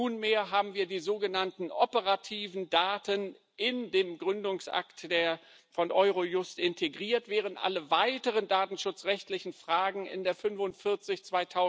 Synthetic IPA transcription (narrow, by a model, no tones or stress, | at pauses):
uːnmeːɐɦaːbm̩viːɐdiːzoːɡənantn̩ʔɔpəʁatʰiːvn̩daːtən | ʔɪndeːmɡʁʏndʊŋsʔa̰ktd̥eːɐ | fɔnʔɔʏʁojʊstʔɪntʰeɡʁiːɐtv̥ɛːʁ̞əntʔa̰ləvaɪtəʁ̞əndaːtn̩ʃʊt͡sʁɛçtlɪçn̩fʁ̥aːɡŋ̩ɪ̰ndeːɐfʏnfʊntfɪɐt͡sɪçt͡sv̥aɪtʰaʊ